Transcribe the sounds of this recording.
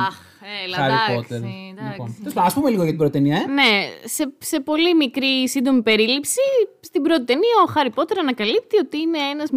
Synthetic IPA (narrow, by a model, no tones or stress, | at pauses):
ɐ | elɐɾipot̪eɾliponeslɐɐspumeliɣoʝɐt̪ibɾot̪it̪eniɐene̞se̞se̞po̞limikɾisind̪o̞mipe̞ɾilipsi | st̪ibɾo̞t̪it̪e̞niɐoxɐɾipo̞t̪e̞ɾɐnɐkɐlip̚t̪io̞t̪iine̞enɐz